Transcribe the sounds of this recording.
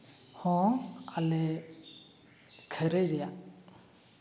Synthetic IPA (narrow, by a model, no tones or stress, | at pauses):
hɔ̃alɛ | kʰəɾəjɾɛja